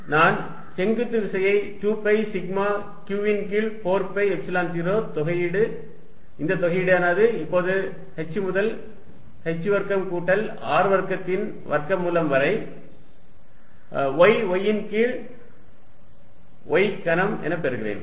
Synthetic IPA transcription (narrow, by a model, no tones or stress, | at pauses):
naːn | sɛŋɡɯt̪ːɯʋɪsɐjɐɪʈuːpːɐɪsɪɡmaː | kjuːɪnkiːɭpoːɾpɐɪɛksɐlaːnt̪iːɾoːt̪ɔɣɐjɪɽɯ | ɪnd̪ɐt̪ɔɣɐjɪɽɯaːnaːðɯɪpːoːðɯ | hɛt͡ʃːɯmʊðɐl | hɛt͡ʃːɯʋɐɾkɐmkuːʈːɐl | aːɾɯʋɐɾkɐt̪ːɪn | ʋɐɾkɐmːuːlɐmʋɐɾɐɪ | ʋɔɪʋɔjːɪnkiːɭ | ʔɔɪkɐnɐmɛ̰nɐpːɛɾɯɣɪɾḛːn